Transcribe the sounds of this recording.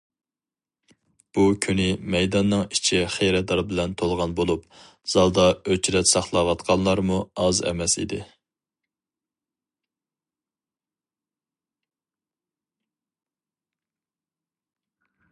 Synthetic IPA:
b̥ukʲʰynɪmɛjd̪ɑnːɨŋit͡ʃʰiχejɾɛd̪ɑɾbɪlɛnt̪ʰolˠʁɑnbolˠup | z̥ɑlˠd̪ɑøt͡ʃʰɾɛt̪sɑχlˠɑwɑt̪̚qʰɑnlˠɑɾmuɑzɛ̰mɛsḭd̪ɪ

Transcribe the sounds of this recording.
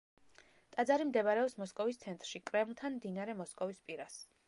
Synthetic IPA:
t̪ʼad̪zaɾimd̪ɛbaɾɛɔpsmɔskʼɔvist̪sʰɛnt̪ʼɾʃikʼɾɛmlˠt̪ʰanmd̪inaɾɛmɔskʼɔvispʼiɾas

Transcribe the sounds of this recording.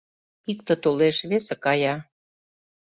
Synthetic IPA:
ikt̪ə̆t̪oleʃβesekɑjɑ

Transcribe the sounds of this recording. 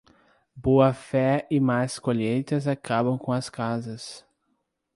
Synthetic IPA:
boɐfɛɪmajskoʎejt̪ɐzakabɐ̃w̃kõɐskazɐs

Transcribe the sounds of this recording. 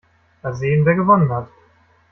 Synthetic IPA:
azeːnveːɐɡəvɔnənhat

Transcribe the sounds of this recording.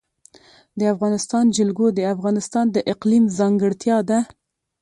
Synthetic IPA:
d̪əafɣɑnɪst̪ɑnd͡ʒɪlɡod̪əafɣɑnɪst̪ɑnd̪əʔɪqlimzɑŋɡəɽt̪jɑd̪a

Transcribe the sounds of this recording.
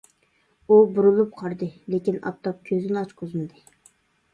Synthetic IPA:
ubuɾulˠup̚qʰɑɾd̪ɨlekʲinɑ̰p̚t̪ːɑp̚kʲʰøzɪnɪɑt͡ʃqʰozmɨd̪ɨ

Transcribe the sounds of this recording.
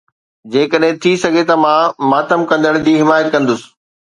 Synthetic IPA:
d͡ʑeːkəɗɦɪ̃t̪ʰisɐɡʱet̪ɐmãːmaːt̪əmkɐ̃nd̪əɽ̃d͡ʑiːɦɪmaːjət̪kɐ̃nd̪ʊsɪ̥̆

